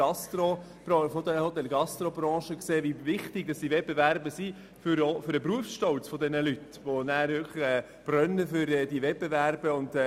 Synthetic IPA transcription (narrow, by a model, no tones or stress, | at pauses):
ɑst̪ɾo | b̥ɾɑfod̪ɛhot̪ɛlɡɑst̪ɾobɾɑ̃ːʃəkseːvivɪχtɪɡ̚d̥ɑsd̥ivɛt̚b̥evæɾbəsi | fʏɾofʏɾəpɾuəfsʃtɔlt͡sfɔd̪ɛnəlyt | ʋonæːɾvʏkʰləχɛː | b̥rœnːəfʏɾɛːdivɛtb̥evæɾb̥əʊnd̪ɛ